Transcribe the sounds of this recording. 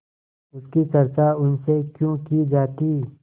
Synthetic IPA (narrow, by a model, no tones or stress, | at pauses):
ʊskit͡ʃɐɾt͡ʃaʊnsekjõkid͡ʒaːt̪iː